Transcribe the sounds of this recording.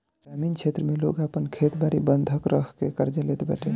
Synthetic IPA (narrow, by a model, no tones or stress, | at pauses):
ɡamint͡ʃʰet̪ɾəmelo̰kapənkʰet̪baɽibənd̪ʱəkɾəkʰkekəɾd͡ʒəlet̪ba̰ʈe